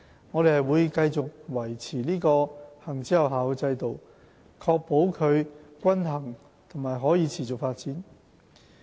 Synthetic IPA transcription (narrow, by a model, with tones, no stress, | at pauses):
ŋɔː˨˧ɾe˨hɐ˨jwuː˨˧jkɐ˧jt͡sʊ˨k̚wɐ˨˩jt͡sʰiː˨˩niː˥kɔː˧hɐ˨˩ŋt͡siː˨˥hɐ˨wɦaː˨wt͡sɐ˧jt̪o˨w | kʰɔː˧k̚po˨˥wkʰɵ˨˧ɥkʷɐ˥nɦɐ˨˩ŋ | t̪ʰʊ˨˩ŋmaː˨jɦɔː˨˥jiː˨˧t͡sʰiː˨˩t͡sʊ˨k̚faː˧t̚t͡siː˨˥n